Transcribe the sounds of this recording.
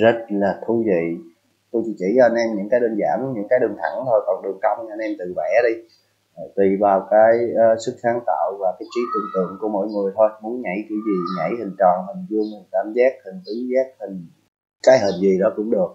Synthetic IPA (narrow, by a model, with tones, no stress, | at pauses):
zə˦˥t̚laː˨˩t̪ʰu˧vḭ˧˨ | t̪u˧jt͡ɕḭ˧˦t͡ɕḭ˧˩t͡ɕɔ˧a˧nʔɛ˧mɲɨ̰˧˥ŋkaː˨˦jɗəː˧˩nza̰ː˧˩mɲɨ̰˧˥ŋkaː˨˦jɗɨ˨˩əŋt̪ʰa˧˩˦ŋt̪ʰo˧˩jkɔ˨˩nɗɨ˨˩əŋ̚t͡ɕa˧wŋ͡mnʔɛ˧mt̪ɨ˨˩vɛ˧˩˥ɗi˧˨˩ | t̪i˨˩vaː˨˩wkaː˨˦jːsɨ˦˥k̚saː˨˦ŋt̪a̰ː˧˨wvaː˨˩kaː˨˦jt͡ɕi˨˦t̪ɨ̰˨˧˩əŋt̪ɨ̰˧˨əŋku˧˦əmo̰˧˨jŋɨ˨˩əjt̪ʰo˧jmu˨˦ənɲa̰˧˩jkḭ˧˩˦zi˨˩ɲa̰˧˩jhï˨˩ŋ̟t͡ɕɔ˨˩nɦï˨˩ŋ̟zu˧əŋo˨˩t̚kaː˧˩mzaː˦˥k̚hï˨˩ŋ̟t̪i˨˦zaː˦˥k̚hï˨˩ŋ̟ | kaː˨˦jɦi˨˩nzi˨˩ɗɔ˨˦kʊ̰˧˥ŋ͡mɗɨ˨˩ək̚